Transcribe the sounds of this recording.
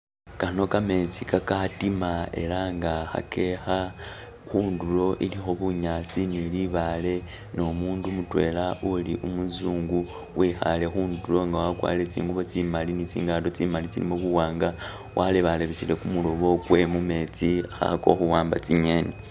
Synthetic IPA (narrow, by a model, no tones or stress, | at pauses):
kano̞kame̞t͡sikakatimae̞̰laŋɡaxa̰ke̞xa | xuːndulo̞ʔilixoβuɲat͡siniliβale̞ | no̞muːndumutwe̞̰lauliʔumuzuːŋɡu | wʔixa̰le̞xuːndulo̞ŋɡawakwa̰let͡sḭːŋɡuβot͡simalinit͡sḭːŋɡaːdo̞t͡simalit͡sḭlḭmoβuwaːŋɡa | wʔaleβaleβiʃile̞kumulo̞βo̞kwe̞mume̞t͡siaxa̰ako̞̰xuwaːmba̰t͡siɲe̞ne